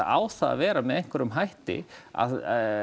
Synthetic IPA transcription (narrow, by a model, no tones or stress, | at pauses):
a̰ːwθa̰ːvɛːɾamɛðɛjŋ̥kʰvɛɾʏmɦajht̪ɪ̰a̰ð